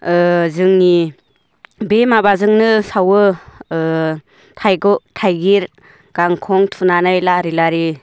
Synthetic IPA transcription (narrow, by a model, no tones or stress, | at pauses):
zɯŋni | bemabazɯŋnɯsawɯ | tʰajɡɔtʰajɡiɾ | ɡ̥aŋkʰɔŋtʰunanajlaɾilaɾi